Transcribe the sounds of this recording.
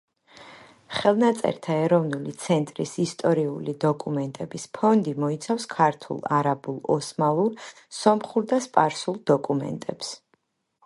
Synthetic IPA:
χɛlˠnat̪sʼɛ̰ɾt̪ʰaɛɾɔvnulit̪sʰɛnt̪ʼɾisist̪ʼɔɾiulid̪ɔkʼumɛnt̪ʼɛbispʰɔnd̪imɔit̪sʰafskʰaɾt̪ʰṵlˠaɾabulˠɔsmauɾ | sɔmχuɾd̪aspʼaɾsulˠd̪ɔkʼumɛ̰nt̪ʼɛps

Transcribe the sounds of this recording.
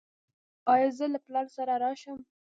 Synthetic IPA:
ɑjɑzəlaplɑɾsaɾaɾɑʃəm

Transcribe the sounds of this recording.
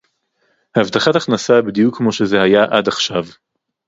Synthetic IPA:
haːvt̪aχataχnasabid̪ijukʰːmo̞ʃe̞zehajaʔad̪aχʃav

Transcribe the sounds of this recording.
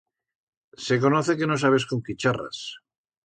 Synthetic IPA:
se̞ko̞noθe̞ke̞no̞s̬aβ̞e̞sko̞ŋkit͡ʃara̰s

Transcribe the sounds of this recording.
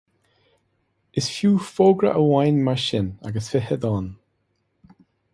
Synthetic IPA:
ɪsfjuːfoːɡɹə̰ʔəwajnmaʃɪna̰ɡəsfɪhəd̪ɔn

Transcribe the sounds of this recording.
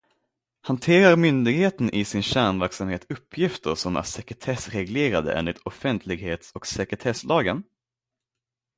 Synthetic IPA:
hant̪ʰeːɾaɾmʏnd̪ɪɡheːt̪ənʔɪsɪnɕæːɳvæɾksamheːt̪ɵpʰːjɪft̪əɾʂɔmæ̰ʂɛkɾɛt̪ʰɛsɾɛɡleːɾad̪ə̰ʔḛnlɪt̪ɔfɛnt̪ʰlɪɡheːt̪sɔksɛkɾɛt̪ʰɛslʔɑːɡən

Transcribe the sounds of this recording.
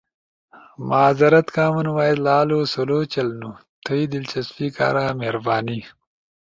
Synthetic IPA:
maːzɐɾɐt̪kaːmunwaːjid̪laːlosoloːt͡ʃɐlnut̪ʰəjd̪ɪlt͡ʃɐsfika̰ːɾaːmeɾbaːni

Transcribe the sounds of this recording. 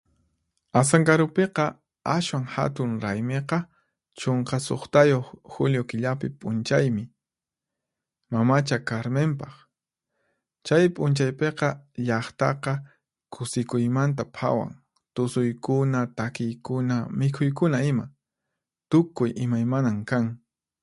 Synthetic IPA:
as̬aŋkaɾʊpeqɑ | aswaŋha̰t̪ʊŋɾajmeqɑ | t͡ʃoɴqɑso̰χt̪ajoχxʊljokɪʎapɪpʼʊnt͡ʃajmɪ | mamat͡ʃakaɾmempɑχ | t͡ʃajpʼʊnt͡ʃajpeqɑʎɑχt̪ɑ̰qɑ | kʰʊsɪkʊjmant̪̬apʰa̰wa̰ŋ | t̪ʊsʊjkʊnat̪akɪjkʊnamɪkʰʊjk̬ʊnaɪma | t̪ʊkʊjʔɪmajmanamkaŋ

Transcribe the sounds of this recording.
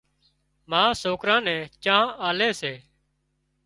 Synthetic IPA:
mãːsoːkɾãːnɛ̃ːt͡ʃãːaːleːseː

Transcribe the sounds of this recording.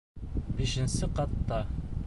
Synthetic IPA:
biʃɘ̆nsɘqɑt̪ːɑ

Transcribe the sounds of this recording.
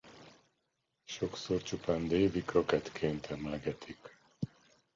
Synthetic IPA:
ʃo̞ksort͡ʃupaːnd̪eːvikrokɛt̪kʰeːnt̪ʰɛmlɛɡɛt̪ʰik

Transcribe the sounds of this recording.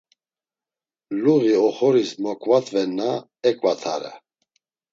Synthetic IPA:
luɣiɔχɔɾismɔkʼvat̪ʼvɛnːa | ɛkʼvat̪ʰa̰ɾɛ̰

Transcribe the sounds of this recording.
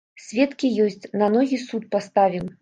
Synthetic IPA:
sʲvʲɛt̪kʲijɔsʲt͡sʲnanɔɣʲisut̪̚past̪avʲim

